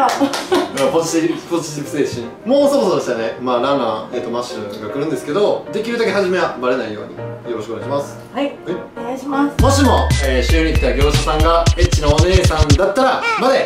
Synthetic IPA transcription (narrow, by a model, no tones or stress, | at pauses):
apoiipod͡ʑit͡ɕibɯ̥seːɕĩŋ | mo̞ːsoɾosod̪eɕt̪anemaːɾana̰ːe̞t̪ːo̞maɕɨɡakɯ̟ɾɯ̟̃nd̪e̞sɨ̥ke̞d̪o̞d̪e̞kʲiɾɯ̟d̪ake̞ɦaʑime̞abaɾe̞naijo̞̰ːɲ̟ḭjo̞ɾo̞ɕikoɡaiɕimasɨ̥ | iɡaɕmamo̞ɕimo̞eːɕɨːɲʲɾʲiit̪ːaɡʲeɾoɕosãŋɡaet͡ɕːino̞ːne̞ːsãnd̪at̪ːaɾamad̪e